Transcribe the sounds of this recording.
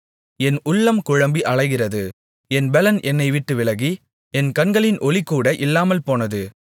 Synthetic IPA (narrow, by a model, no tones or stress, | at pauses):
ɛnʊlːɐmkʊɻɐmbiʔɐɭɐɪɣɪrɐðɯ | ɛnbɛlɐnʔɛnːɐɪʋɪʈːɯʋɪlɐɣi | ɛnkɐnɡɐɭɪnʔɔlikːuːɽɐʔɪlːaːmɐlpoːnɐðɯ